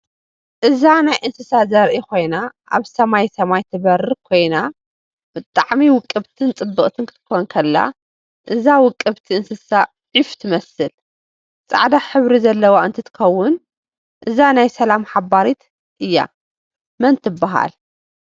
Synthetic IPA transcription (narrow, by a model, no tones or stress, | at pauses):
ʔɨzanajʔɨnsɨsazɐɾʔikʰo̞jnaʔa̰βsɐmajsɐmajt̪ʰɨβɐɾɨkʰo̞jna | b̥ɨt̪ʼːaʕmiwʊkʼːɨβt̪ʰɨnt͡sʼɨbːɨχʼt̪ʰɨnkʰɨ̥t̪ʰɨ̥kʰonkʰɐlːa̰ | ʔɨzawʊkʼːɨβt̪ʰiɨnsɨsa | ʕift̪ʰɨmɐsɨl | t͡sʼa̰ʕd̪aħɨβɾizɐlːɐwaɨnt̪ʰɨt̪ʰɨ̥xɐwːʊn | ʔɨzanajsɐlamħabaɾit̪ | ʔɨjːa̰ | mɐnt̪ʰɨbːaɦa̰l